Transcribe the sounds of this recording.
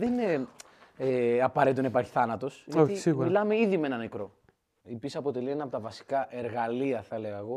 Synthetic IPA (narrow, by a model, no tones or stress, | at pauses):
ðenine | eɐpɐɾeit̪onepɐɾçi̥θɐnɐt̪o̞sʝɐoç̪isiɣɣuɾilɐmeiðimee̞nɐnekɾo̞ | ipisɐpo̞t̪e̞lienɐpot̪ɐvɐsi̥kɐʔe̞ɾɣɐliɐθɐleɣɐeɣo̞